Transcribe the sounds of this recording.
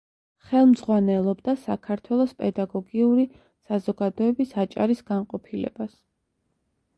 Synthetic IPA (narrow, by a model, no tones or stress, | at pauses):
χɛlˠmz̥ʁwanɛlˠɔbd̪asa̰kʰaɾt̪ʰwɛlˠɔspʼɛd̪aɡɔɡiuɾi | sazɔɡad̪ɔɛbisat͡ʃʼa̰ɾisɡ̥anqʼɔpʰilɛ̰bas